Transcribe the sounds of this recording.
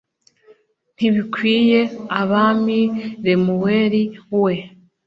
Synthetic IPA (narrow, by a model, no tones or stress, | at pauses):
n̥iβikwije̞aβamiɾemuweɾiwe